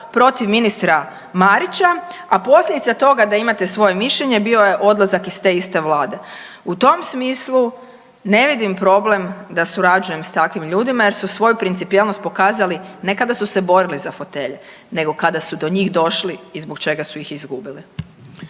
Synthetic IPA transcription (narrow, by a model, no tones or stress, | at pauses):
pɾo̞t̪iʋminist̪ɾa | maɾit͡ɕaapo̞slʎʲed̪it̪sat̪o̞ɡad̪aimat̪e̞sʋo̞je̞miʃʎe̞ɲe̞bio̞je̞ʔo̞d̪lˠazakist̪e̞ist̪e̞ʋlaːd̪e̞ | ut̪o̞msmiːslˠu | ne̞ʋid̪impɾo̞ble̞md̪asuɾad͡ʒuje̞mst̪akʋimʎuːd̪imaje̞ɾsusʋo̞jupɾint̪ipielˠnospokaːzaline̞kad̪asuse̞bo̞ɾilizafo̞t̪e̞ʎe | ne̞ɡo̞kad̪asud̪o̞ɲiːxd̪o̞ʃliːzbo̞kt͡ʃe̞ɡasujixizɡubili